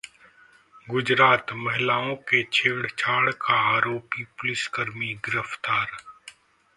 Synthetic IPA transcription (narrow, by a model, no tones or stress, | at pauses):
ɡʊd͡ʒɾaːt̪mɐɦɪlaːõket͡ʃʰeːɽt͡ʃʰaːɽkaaːɾoːpipʊlɪskəɾmiɡɪɾəft̪aːɾ